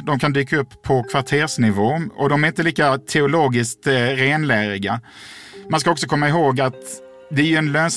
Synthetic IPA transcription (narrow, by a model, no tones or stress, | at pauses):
d̪ɔmkʰand̪yːkaɵpʰːɔkʰvaʈʰeːɾʂnɪvoːɔd̪ɔmæɾɪnt̪əliːkat̪ʰɛʊloːɡɪskt̪ɾeːnlæːɾɪɡa | manskaɔksɔkʰɔmːaɪɦoːɡat̪ | d̪ɛæjɵɛnløːns